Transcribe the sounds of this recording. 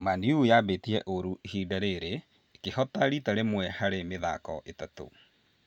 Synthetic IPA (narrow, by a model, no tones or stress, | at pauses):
maniujaːbetiɾɛʔoɾuhiːdaɾeɾe | kehɔtaɾitaɾemwɛhaɾemeða̰kɔ̰ʔetato̰